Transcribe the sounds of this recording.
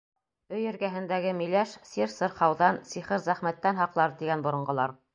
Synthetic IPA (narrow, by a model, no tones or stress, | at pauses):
ɵjɘ̆ɾɡæɦɘ̆nd̪æɡɘmilæʃsiɾsɤɾχɑwðɑnsiχɘɾzæχmæt̪ːænɦɑqlˠɑɾt̪iɡænbŏɾŏɴɢɤ̆lˠɑɾ